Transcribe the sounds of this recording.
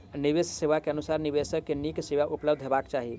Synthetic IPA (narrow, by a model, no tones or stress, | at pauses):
nibesseʋakeənusaɾnibesəkːenikseʋaʔupləbd̪ʱɦebakt͡ʃaɦi